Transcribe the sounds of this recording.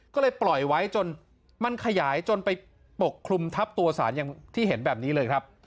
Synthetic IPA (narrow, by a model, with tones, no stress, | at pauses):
kɔː˥˩lɤː˧jplɔ˨˩jwa˦˥jt͡ɕo˧n | ma˧nkʰa˧jaː˩˦jt͡ɕo˧npa˧j | po˨˩kʰːlu˧mt̪ʰa˦˥p̚t̪u˧ɐsaː˩˦njaː˧ŋt̪ʰiː˥˩ɦe˩˦nbɛː˨˩p̚niː˦˥lɤː˧jkʰɾa˦˥p̚